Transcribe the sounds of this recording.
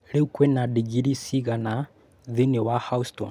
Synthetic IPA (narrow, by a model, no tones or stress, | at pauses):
leukwɛnadiɡiɾisiɣana | ðinewahausto̰n